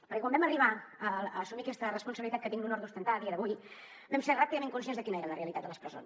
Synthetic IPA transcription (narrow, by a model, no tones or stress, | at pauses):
pəɾkɛkwambɛməriβ̞aəəːsumiəkɛst̪ərəspunsəβilit̪at̪̚kət̪iŋɡunɔɾðust̪ənt̪aəðiəðəβuj | bɛmseɾrapiðəmeŋkuns̬enzðəkinəeɾələreəlit̪at̪ələspɾəso̰ns